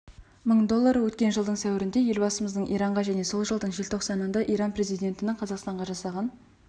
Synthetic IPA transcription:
məɴd̪o̞lˠːɑɾəwɵt̪kʲe̞nʒəlˠd̪əɴsæwɪɾɪnd̪e̞je̞lbɑsəməzd̪əɴʔijɾɑɴʁɑʒæne̞so̞lˠʒəlˠd̪əɴʒe̞lt̪ʰo̞qsɑnənd̪ɑʔijɾɑnpre̞zijd̪ʲe̞nt̪ɪnɪŋqʰɑzɑqst̪ɑɴʁɑʒɑsɑʁɑn

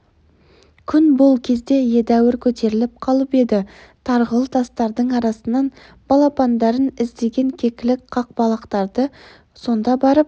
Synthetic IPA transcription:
kʲʰʏnbo̞lˠkʲʰe̞zd̪e̞je̞d̪æwɪɾkʲʰɵt̪e̞ɾɪlɪp̚qʰɑlˠəpe̞d̪ɪ | t̪ʰɑɾʁəlˠt̪ʰɑst̪ɑɾd̪əɴɑɾɑsənːɑn | b̥ɑlˠɑpɑnd̪ɑɾənɪzd̪e̞ɡʲe̞ŋkʲʰe̞kʲɪlɪkqʰɑq̚bɑlˠɑqt̪ɑɾd̪ə | so̞nd̪ɑbɑɾəp̚

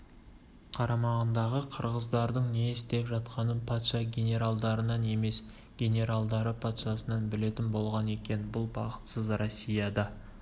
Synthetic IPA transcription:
qʰɑɾɑmɑʁənd̪ɑʁəqʰəɾʁəzd̪ɑɾd̪əɴneɪst̪e̞pʒɑt̪̚qɑnənpʰɑt̪ʃɑɡʲe̞nʲe̞ɾalˠd̪ɑɾənɑne̞me̞s | ɡʲe̞nʲe̞ɾalˠd̪ɑɾəpʰɑt̪ʃɑsənɑnbɪle̞t̪ɪnbo̞lˠʁɑne̞kʲe̞nbʊlˠbɑqə̥t̪səzrosʲːijɑd̪ɑ

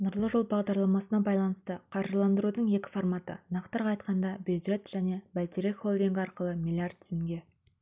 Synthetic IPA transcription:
nʊɾlˠəʒo̞lˠbɑʁd̪ɑɾlˠɑmɑsənɑbɑjlˠɑnəst̪əqʰɑɾʒəlˠɑnd̪əɾud̪əɴje̞kʲɪ̥formɑt̪ə̰nɑqt̪əɾqɑjt̪qɑnd̪ɑbulʒe̞t̪ʒ̥æne̞bælt̪ʲeɾekχo̞lˠd̪iŋɡʲɑɾqəlˠəmilʲˠiart̪̚ʰːsɪŋɡʲe̞

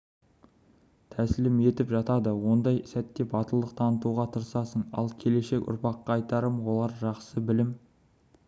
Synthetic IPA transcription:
t̪ʰæsɪlɪme̞t̪ɪpʒɑt̪ɑd̪əwo̞nd̪ɑjsæt̪ːe̞bɑt̪əlˠd̪əq̚t̪ʰɑnət̪uʁɑt̪ʰəɾsɑsəɴɑ̰lˠkʲʰe̞le̞ʃe̞kʲʊ̰ɾpɑqːɑːjt̪ɑɾəmwo̞lˠɑɾʒɑqsəbɪlɪm

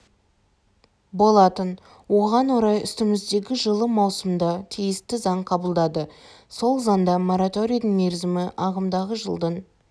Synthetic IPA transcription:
bo̞lˠɑt̪ən | wo̞ʁɑnwoɾɑjʏst̪ɪmɪzd̪e̞ɡʲɪʒəlˠəmɑwsəmd̪ɑt̪ʰijɪst̪ɪzɑɴqʰɑbəlˠd̪ɑd̪ə | so̞lˠzɑnd̪ɑmo̞ɾat̪o̞ɾʲijd̪əŋmeɾzɪmɪʔɑʁəmd̪ɑʁəʒə̰lˠd̪ən

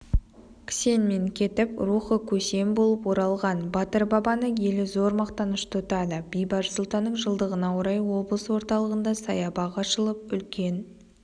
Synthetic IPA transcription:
kʲʰɪ̥se̞nme̞ŋkʲʰe̞t̪ɪpɾuχəkʲʰɵse̞mbo̞lˠəpwo̞ɾɑlˠʁɑnbɑt̪əɾbɑbɑnəje̞lɪzo̞ɾmɑqt̪ɑnəʃt̪ʰʊt̪ɑd̪əbijbɑʒəsʊlˠt̪ɑnːəɴʒəlˠd̪əʁənɑwoɾɑjwo̞blˠəswo̞ɾt̪ɑlˠəʁənd̪ɑsɑjɑbɑʁɑʃəlˠəp̚ʏlkʲe̞n

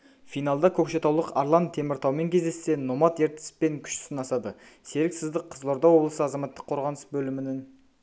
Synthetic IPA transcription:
fijnɑlˠd̪ɑkʲʰɵkʃe̞t̪ɑwlˠəqɑ̰ɾlˠɑnt̪ʰe̞mɪɾt̪ʰɑwme̞ŋkʲʰe̞zd̪e̞sːe̞nːo̞mɑt̪e̞ɾt̪ɪ̥spe̞ŋkʲʰʏ̥ʃɪ̥sɪnɑsɑd̪ə | se̞ɾɪksɪzd̪ɪqʰːəzlˠo̞ɾd̪ɑwo̞blˠəsəɑzɑmɑt̪ːə̥qʰːo̞ɾʁɑnəsbɵlɪmɪnɪŋ

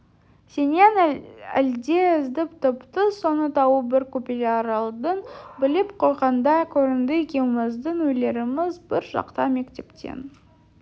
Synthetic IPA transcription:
senenæ̰ld̪e̞ɪzd̪ɪpt̪ʰʊpt̪əso̞nət̪ʰɑwəbɪɾkʰupelʲaɾlˠd̪ənbɪlɪpqʰo̞jʁɑnd̪ɑkʲʰɵɾɪnd̪əekʲewmɪzd̪əɴwɵjle̞ɾɪmɪzbɪɾʒɑ̰qt̪ɑme̞kt̪e̞pt̪ʰḛn

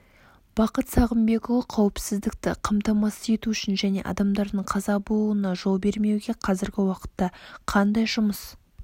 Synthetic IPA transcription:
b̥ɑqət̪sɑʁəmbe̞kowˠɑqʰɑwɪpsɪzd̪ɪk̚t̪ɪ̰qʰɑmt̪ɑmɑsəje̞t̪uʏʃɪnʒæne̞̰ʔɑ̰d̪ɑmd̪ɑɾd̪əɴqʰɑzɑbulˠuənɑʒolˠbe̞ɾme̞wɡʲe̞qʰɑzɪɾɡʲɪwɑqə̥t̪ːɑqʰɑnd̪ɑjʒʊməs

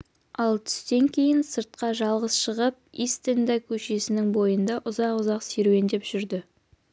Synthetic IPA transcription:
ɑlˠt̪ʰʏ̥st̪e̞ŋkʲʰe̞jɪnsəɾt̪̚qɑʒɑlˠʁəzʃəʁəp̚ist̪end̪ɑjkʲʰɵʃe̞sɪnɪŋbo̞jənd̪ɑʔʊzɑqʊzɑqseɾuwe̞nd̪e̞pʒ̥ʏɾd̪ɪ

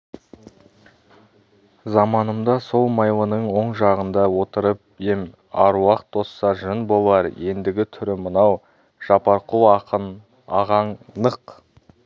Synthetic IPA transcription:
zɑmɑnəmd̪ɑso̞lˠmɑjlˠənəɴwo̞ɴʒɑʁənd̪ɑwo̞t̪əɾəp̚ | je̞m | ɑɾwɑqt̪̚d̪̥o̞sːɑɾʒənbo̞lˠɑɾje̞nd̪ɪɡʲɪt̪ʰʏɾɪmənɑw | ʒ̥ɑpɑɾqʰun | ɑʁɑɴnəq

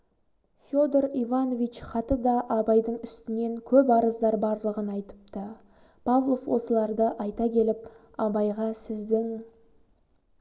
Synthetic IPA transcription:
fʲjo̞d̪oɾivano̞vit͡ʃχɑt̪əd̪ɑʔːbɑjd̪əɴʏst̪ɪne̞ŋkʲʰɵp̬ɑɾəzd̪ɑɾbɑɾlˠəʁənɑjt̪ə̥p̚t̪ə | pʰavlˠo̞fwo̞səlˠɑɾd̪əʔɑjt̪ɑkʲʰe̞lɪp̚ | ɑbɑjʁɑsɪzd̪ɪŋ

